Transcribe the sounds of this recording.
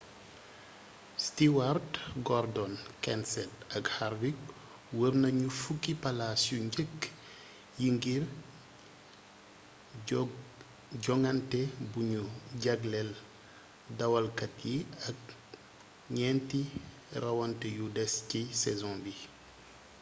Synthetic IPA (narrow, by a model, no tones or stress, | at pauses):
stiwardɡɔrdɔnkɛnsɛtɐkhaɾwik | wəɾnɐɲufukːipalasjuɲɟəkː | jiŋɡir | ɟɔŋɡɐntɛbuɲuɟɐɡlɛl | dɐwɐlkɐtjiɐk̚ | ɲɛnti | rɐwɐntɛjudɛscisɛzɔ̃bi